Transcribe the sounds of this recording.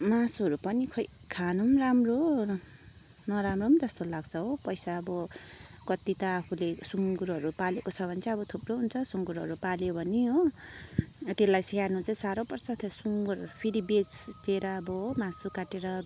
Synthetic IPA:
masuɦʌɾupʌnikʰʌ | kʰanumramro | nʌɾamromd͡zʌst̪olaɡt͡sʰʌɦopʌjsaʌbʌ | kʌt̪it̪ʌːpʰulesuŋɡuɾɦʌɾupalekot͡sʰʌbʱʌnt͡sʰaʌbʌt̪ʰuproɦunt͡sʰʌsuŋɡuɾɦʌ̰ɾupaljobʱʌniɦo | t̪elajsianut͡saĩsaɾopʌrsʰat̪ʰesuŋɡuɾpʰiɾibet͡st͡seɾʌːbʌmãsukaʈeɾʌ

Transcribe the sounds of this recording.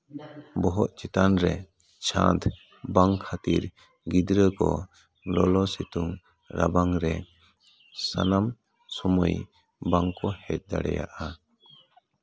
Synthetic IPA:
bɔɦɔʔt͡ʃit̪anɾɛ | t͡ʃʰãt̪ʰ | baŋkʰat̪iɾ | ɡid̪ɾəkɔ | lɔlɔsit̪uŋ | ɾabaŋɾɛ | sanam | sɔmuj | baŋkɔhɛt̪̚ˀd̪aɽɛ̰ja̰ʔa

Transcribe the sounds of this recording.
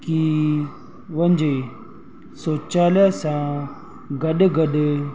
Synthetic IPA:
ki | ʋəɲd͡ʑe | soːt͡ɕaːljasã | ɡɐəɗɡəɗe

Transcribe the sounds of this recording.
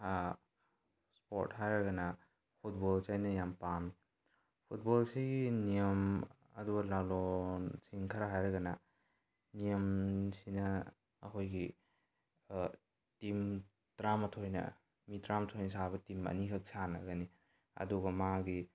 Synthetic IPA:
spoɾtɦajɾɐɡɐna | pʰut̚bɔlt͡ʃajnɐjampami | pʰut̚bɔlsiɡinijɐm | ɐduɡɐlalonsiŋkʰɐɾaɦajɾɐɡɐnɐ | nijəmsinɐ̰ː | kʰojɡi | tim | tɾamɐtʰojnɐ̰ | mitɾamɐtʰojnɐsaβɐtimɐ̰nikʰɐk̚sanɐɡɐni | ɐ̰duɡɐmaɡi

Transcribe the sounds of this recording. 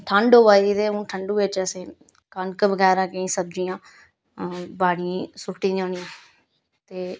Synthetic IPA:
ʈʰəɳɖoːʋaːiːt̪eːũːʈʰəɳɖuːʋɪt͡ʃəsĩː | kənkəʋəɡɛːɾãːkəĩːsəb̚d͡ʒijãː | baːɽisʊʈːiːd̪iõːnijãː | t̪eː

